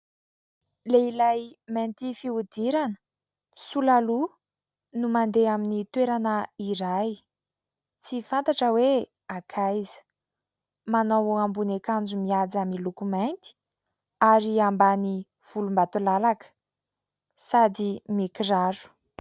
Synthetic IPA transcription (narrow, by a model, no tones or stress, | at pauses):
leilajment̪ifiud̪iɾanə̥ | sulalu | numand̪eaminit̪weɾanəiɾaj | t͡sifant̪aʈ͡ʂəwe | akʰajzə̥ | manawoambunekand͡zumiad͡zamilukumajnt̪i̥ | aɾiambani | v̥ulumbat̪ulalakə̥ | sad̪imikiraɾu̥